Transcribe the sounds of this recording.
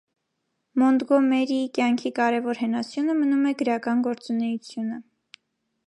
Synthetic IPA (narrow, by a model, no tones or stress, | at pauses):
mɔnd̪ɡɔmɛɾikjɑŋkʰikɑɾɛvɔɾhɛnɑsjunəmənumɛɡəɾɑkɑnɡɔɾt͡sunɛjut͡sʰjunə